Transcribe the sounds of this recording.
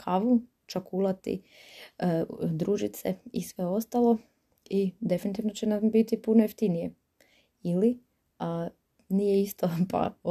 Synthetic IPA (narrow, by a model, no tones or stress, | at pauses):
kʰaʋu | t͡ʃakulˠat̪ḭ | d̪ɾuːʒit̪sḛḭsʋe̞o̞st̪alˠo̞ | id̪e̞finit̪iʋnot͡ɕenambit̪ipunojeft̪inije | ili | a | nijeist̪opʰa̰